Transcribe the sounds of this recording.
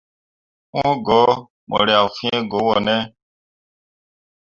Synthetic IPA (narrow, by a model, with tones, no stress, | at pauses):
wõ˦ɡɔ˨˦ | mɔ̰˨ɾi˨a˨fĩ˦ẽ˦ɡo˨˦wɔ˨nɛ̃˦